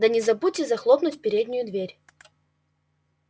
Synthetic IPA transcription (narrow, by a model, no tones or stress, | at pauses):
d̪ɐnʲɪzɐbutʲɪzɐxlˠopnʊtʲpʲɪɾʲedʲnʲɪjʊd̪vʲeɾʲ